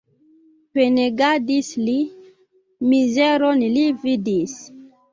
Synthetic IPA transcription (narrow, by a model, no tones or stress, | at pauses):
peneɡadisli | mizɛɾɔnilividis